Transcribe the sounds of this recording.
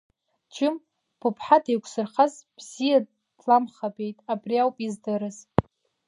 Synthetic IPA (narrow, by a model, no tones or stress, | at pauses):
t͡ʃʰɪm | b̥ʰɨpʰħadʰejkʷʰʼsɨrχazb̥z̥ija | dlamχabe̞jtʼabriawpʼizdɨɾɨz